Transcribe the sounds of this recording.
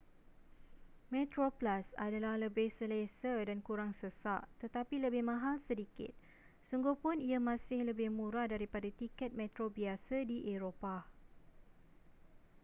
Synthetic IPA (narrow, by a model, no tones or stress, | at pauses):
mɛ̃t̪ɾoplasa̰dalahləbɪhsəlesədankuɾaŋsəsaʔt̪ət̪apiləbɪhmãɦalsədikɪ̰t̪̚ | suŋɡuhpʊniamãsɪhləbɪhmũɾadaɾipadat̪ikɛt̪̚mɛ̃t̪ɾobiasadiʔeɾopa